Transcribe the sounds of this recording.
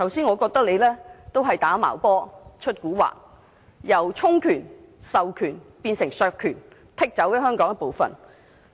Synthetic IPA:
t̪ʰɐ˨˩wsiː˥nŋɔː˨˧kɔː˧k̚t̪ɐ˥k̚le˨˧jlɛː˥t̪o˥wɦɐ˨jt̪aː˨˥ma̰ː˨˩wpɔː˥t͡ʃʰɵ˥t̚kuː˨˥wa̰ː˨˩k̚ | jɐ˨˩wt͡sʰʊ˥ŋkʰyː˨˩nsɐ˨wkʰyː˨˩npiː˧nsɪ˨˩ŋsœː˧kʰyː˨˩n | t̪ʰɪ˥k̚t͡sɐ˨˥wjɐ˥ɦœː˥ŋkɔː˨˥ŋɐ˥˩po˨wfɐ̰˨n

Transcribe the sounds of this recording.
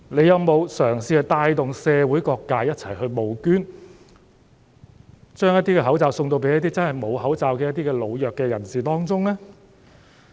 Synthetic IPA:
ne˨˧jɐ˨˧wmo˨˧wsœː˨˩ŋsiː˧hɐ˨˩jt̪aː˧jt̪ʊ˨ŋsɛː˨˧wuː˨˥jkɔː˧kːaː˧jɐ˥t̚t͡sʰɐ˨˩jhɵ˧ɥmo˨˧wkyː˥n | t͡ʃœː˥ŋjɐ˥t̚t̪iː˥kɛː˧ɦɐ˨˥wt͡saː˨wsʊ˧ŋt̪o˧wp̬e˨˥jɐ˥t̪̚iː˥t͡sɐ˥nhɐ˨jmo˨˧whɐ˨˥wt͡saː˨˧wkɛː˧jɐ˥t̪̚iː˥kɛː˧lo˨˧wjœː˨kːɛː˧jɐ˨˩nsiː˨t̪ɔː˥ŋt͡sʊ˥ŋlɛː˥

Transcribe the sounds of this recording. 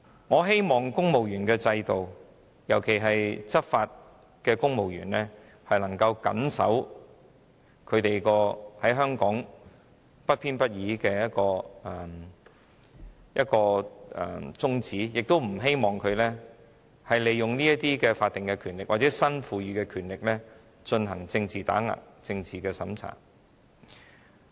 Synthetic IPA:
ŋɔː˨˧ɦe˥jmɔː˨˩ŋkʊ˥ŋmo˨wjyː˨˩nkɛː˧t͡sɐ˧jt̪o˨w | jɐ˨˩wkʰe˨˩jɦɐ˨jt͡sɐ˥t̚faː˧t̚ | kɛː˧kʊ˥ŋmo˨˩wjyː˨˩nlɛː˥ | hɐ˨jnɐ˨˩ŋkɐ˧wkɐ̰˨˥nsɐ̰˨˥w | kʰɵ˨˧ɥt̪e˨jkɔː˧hɐ˨˥jɦœː˥ŋkɔː˨˥ŋ | pɐ˥t̚pʰiː˥npɐ˥t̚jiː˨˥kɛː˧jɐ˥t̚kɔː˧ɛ˨˩ | jɐ˦˥t̚kɔː˧ɛ̰˨˩t͡sʊ˥ŋt͡siː˨˥jɪ˨k̚t̪o˥wm̩˨˩ɦe˥jmɔː˨˩ŋkʰɵ˨˧ɥlɛː˥ | hɐ˨jle˨jʊ˨ŋniː˥jɐ˥tt̪iː˥kɛː˧faː˧t̚t̪ɪ˨˩ŋkɛ˧kʰyː˨˩nlɪ˨k̚wa˨t͡sɛː˨˥sɐ˥nfuː˧ɥyː˨˧kɛː˧kʰyː˨˩nlɪ˨k̚lɛː˥ | t͡ʃɵ˧nɦɐ˨˩ŋt͡sɪ˧ŋt͡siː˨˩t̪a̰ː˨˥ŋa̰ː˨˩ | t͡sɪ˧ŋt͡siː˨˩kɛː˧sɐ˨˥mt͡sʰa̰ː˨˩ŋ

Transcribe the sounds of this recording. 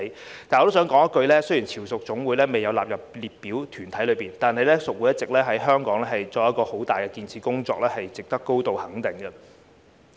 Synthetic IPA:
t̪aː˨nɔː˧to˥wsœː˨˥ŋkɔː˨˥ŋɐ˥kɵ˧lɛː˥sɵ˥jiː˨˩nt͡sʰiː˨˩wsʊ˨k̚t͡ʃʊ˨˥ŋwuː˨˥jlɛː˥me˨jɐ˨˧wlaː˨p̚jɐ˨p̚liː˨t̚piː˨˥wt̪ʰyː˨˩nt̪ʰɐ˨˥jlɵ˨˧ɥpiː˨˩nt̪aː˨nhɐ˨jlɛː˥sʊ˨k̚wu˨˥jɐ˥t̚t͡sɪ˨k̚lɛː˥ɦɐ˨˥jɦœː˥ŋkɔː˨˥ŋlɛː˥ɦɐ˨jt͡sɔː˧˥jɐ˥tkɔː˧ho˨˥wt̪aː˨jkɛː˧kiː˧nt͡sʰiː˨˥kʊ˥ŋt͡sɔ̰ː˧˥k̚ɛː˥hɐ˨jt͡sɪ˨k̚t̪ɐ˥kːo˥wt̪o˨whɐ˨˥ŋt̪ɪ˨˩ŋɡɐ˧

